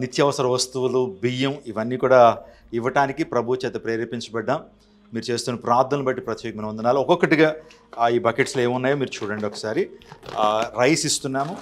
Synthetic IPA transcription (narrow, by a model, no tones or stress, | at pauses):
nit̪jɐʋɐsɐɾɐʋɐst̪uʋulubijɐmiʋɐnːiːkuːɽaː | iʋɐʈaːnikipɾɐbʱut͡ʃɛːt̪ɐpɾeːɾipiɲt͡ʃɐbɛɖːɐmː | iːɾut͡ʃe̞ːst̪uːnɐpɾaːɾd̪ʱɐnlːubɐʈːipɾɐt̪ɛːkɐmɐnɐmɐnd̪ɐnaːluɔkɔkːɐʈiɡaː | iːbɐkeʈsleːmunːaːjoːmiːɾut͡ʃuːɽɐɳɖiɔkɐ̥saːɾi | ɾɐjsist̪unːaːmu